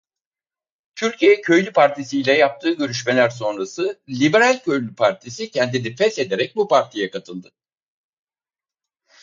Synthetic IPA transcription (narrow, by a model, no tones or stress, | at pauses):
t̪ʰyɾcʰijɛcʰø̞jlʲypʰaɾt̪ʰisijlʲɛjap̚t̪ʰɯːɟø̞ɾyʃme̞lʲæɾso̞nɾasɯlʲibeɾalʲcʰø̞jlʲypʰaɾt̪ʰisicʰɛnd̪inifɛse̞d̪eɾɛc̚bupʰaɾt̪ʰijɛkat̪ʰɯlˠd̪ɯ